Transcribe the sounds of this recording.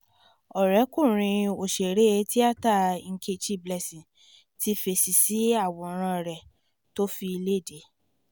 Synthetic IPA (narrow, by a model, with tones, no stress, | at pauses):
ɔ˨ɾɛ˨˦kũ˦˨ɾ̃ĩ˧o˨ʃe˨ɾe˦e˧˦ti˦a˦˨ta˦˨˧ŋ̩˦˧kʰe˧t͡ʃi˦˨blɛ˧sĩ˨ | ti˦fe˨si˨si˨˦a˦˨w̃ɔ̃˧˨˧ɾ̃ã˧ɾɛ˨ | to˦fi˧i˧le˦˨de˨˦